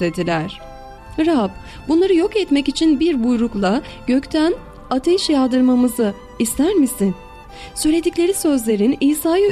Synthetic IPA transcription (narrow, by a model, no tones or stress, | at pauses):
ed̪ilʲæɾ̥ | ɾab̚ | bunlˠaɾɯjo̞kɛt̪mɛcit͡ʃʰinbiɾbujɾuklˠa | ɟ̥øct̪ʰæn | at̪ʰeʃjalˠd̪ɯɾmamɯzɯ | ist̪ʰæɾmisin | søjlʲe̞d̪iclʲe̞ɾisø̞zlʲe̞ɾiniːsaːjɯ